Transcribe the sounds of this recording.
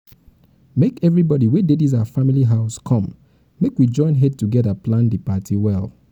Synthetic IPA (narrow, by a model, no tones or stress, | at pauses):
mekɛvɹibɔɾiwedediz̬afamiliɦaʊskʰɔ̃m | mekwid͡ʒɔ̃ɪ̃nɦɛd̚tuɡɛðəplãndipatʰiwɛlˠ